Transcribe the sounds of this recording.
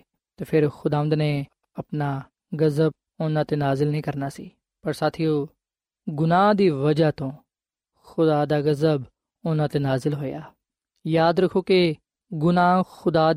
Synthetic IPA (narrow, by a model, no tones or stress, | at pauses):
t̪eːpʰɪɾxʊd̪aːʋə̃nd̪ne | ɐpnaː | ɡɐzəb̚ | ʊnãːt̪enaːzɪlnəɦĩːkɐɾnaːsḭː | pɐɾsaːt̪ʰijoː | ɡʊnaːd̪iːʋɐd͡ʒat̪õː | xʊd̪aːd̪aːɡɐzəb | ʊnãːt̪enaːzɪlɦoːjaː | jaːd̪ɾɐkʰoːke | ɡʊnaːxʊd̪aː